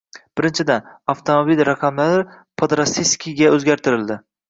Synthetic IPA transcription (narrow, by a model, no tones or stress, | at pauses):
b̥ɪɾɪnt͡ʃʰɪd̪anaft̪ʰomobilɾɑqʰɑmlaɾɪɾ | pʰod̪ɾasiskʲiɡʲaɵzɡʲaɾt̪ʰɪɾɪld̪ɪ